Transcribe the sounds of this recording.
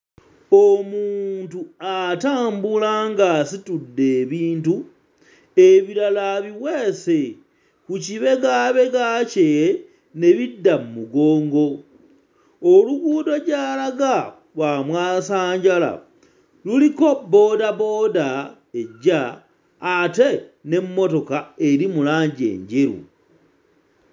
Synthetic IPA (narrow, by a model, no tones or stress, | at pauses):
omuːntuataːmbulaŋɡasitudːe̞ːβiːntu | eβiɾalaβiwe̞ːse̞ | kuciβe̞ɡaβe̞ɡace | ne̞βidːammuɡo̞ːŋɡo̞ | oluβuːdo̞ɟalaɡa | wamwaːsaːɲɟala̰ | luliko̞bːo̞ːdabo̞ːda | eɟaː | te̞ne̞mːo̞to̞kae̞ɾimulaːɲɟe̞̰ːɲɟe̞ɾṵ